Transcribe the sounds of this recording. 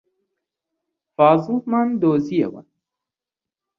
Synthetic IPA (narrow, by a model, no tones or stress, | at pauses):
faːzũhmand̪oːzijɐ̰wa̰n